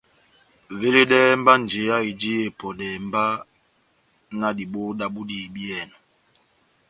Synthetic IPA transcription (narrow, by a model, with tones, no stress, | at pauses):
ve˦le˦dɛ˦m̩˦ba˦n˨d͡ʒe˨˦a˦i˨d͡ʒi˦e˨pɔ˨dɛ˨m˦ba˦ | na˦di˨ɓo˦da˦ɓu˦di˦˨bi˦ɛ˨na˨